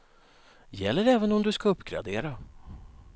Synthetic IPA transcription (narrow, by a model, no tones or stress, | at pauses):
jɛ̰lːəɾɛːvənɔmd̪ɵskaɵpːɡɾa̰d̪ḛːɾa